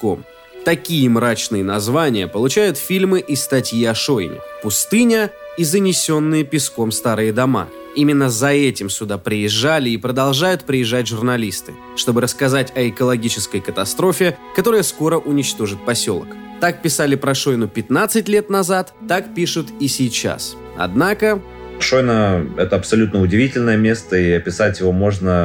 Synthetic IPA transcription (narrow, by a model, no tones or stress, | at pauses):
ko̰m | t̪ɐkʲijəmɾat͡ɕnɨjənɐzvanʲɪjəpəlˠʊt͡ɕæjʊt̪fʲilʲmɨʔɪst̪ɐtʲjiɐʂoj̰nʲɪ̰pʊst̪ɨnʲəizənʲɪsʲo̞nːɨjəpʲɪsko̞mst̪aɾɨjəd̪ɐma̰ | imʲɪnːəzɐɛtʲɪmsʲʊd̪apɾʲɪjɪʐːalʲɪːpɾəd̪ɐlˠʐajʊt̪pɾʲɪjɪʐːatʲʐʊrnɐlʲist̪ɨ̰ | ʂt̪o̞bɨɾəskɐzatʲɐɪkəlˠɐɡʲit͡ɕɪskəjkət̪ɐst̪ɾo̞fʲɪkɐt̪o̞ɾəjəsko̞ɾəʔʊnʲɪt͡ɕt̪o̞ʐɨt̪̚pɐsʲo̞̰lˠə̰k | t̪ak̚pʲɪsalʲɪpɾɐʂo̞jnʊpʲɪt̪nat̪sɨtʲlʲe̞t̪nɐzat̪ːakpʲiʂʊt̪isʲɪjt͡ɕa̰s | ɐ̰d̪nakə | ʂo̞jnəɛt̪əɐpsɐlʲut̪nəʊdʲɪvʲitʲɪlʲnəjəmʲe̞st̪əiɐpʲɪsatʲjɪvo̞mo̞ʐnə